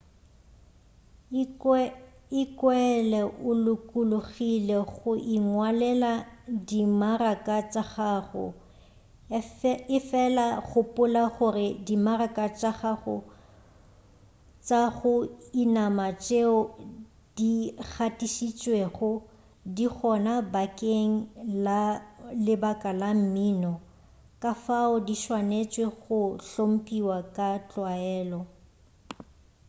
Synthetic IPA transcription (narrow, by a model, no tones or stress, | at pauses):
ɪkʼwɛɛlɛʔʊlʊkʼʊlʊɣileɣʊʔiŋwalɛladimarakʼat͡sʼaɣaχʊ̰ | ɪfɛlaɣʊpʼʊlaχʊrɪdimarakʼat͡ʃʼaχaχʊ̰ | t͡sʼaɣʊinamat͡ʃʼeʊ | d̥iɣʰatʼiʃit͡ʃʼweχʊ | dik͡xʰɔnabakʼeŋ̩lalɪbakʼalam̩miːnɔ | kʼafaʊdiʃwanet͡ʃʼweɣʊɬom̩pʼiwakʼat͡ɬʼwaɛːlɔ